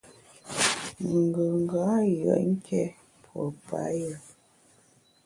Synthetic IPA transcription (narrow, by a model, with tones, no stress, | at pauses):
ŋ̩˨ɡə˨ŋ˨ɡa˨˦jə̰˨ʔŋ̩˦kʰɛ˦ | pʰwɔ˨pa̰˦jə˨